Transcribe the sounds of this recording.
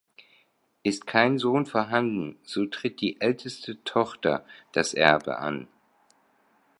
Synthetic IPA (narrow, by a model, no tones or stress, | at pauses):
ʔɪstkʰaɪnzoːnfoɐɦandn̩z̥oːtʁ̥ɪt̚d̥iːʔɛltʰəstʰətʰɔχtɐ̰d̥asʔɛɐbə̰ʔa̰n